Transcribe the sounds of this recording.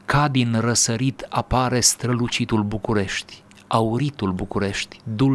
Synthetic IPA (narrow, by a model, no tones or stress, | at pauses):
kad̪inrəsəɾit̪ʰapaɾe̞st̪ɾəlut͡ʃit̪ulbukuɾe̞ʃt̪ʲ | auɾit̪ulbukuɾe̞ʃt̪ʲd̪ul